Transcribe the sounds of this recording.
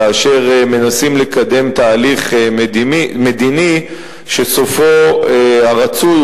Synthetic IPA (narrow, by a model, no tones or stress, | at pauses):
aːʃe̞ʁme̞nasimle̞kad̪e̞mt̪aːliχdme̞d̪ini | ʃe̞sofo̞eaʁat͡su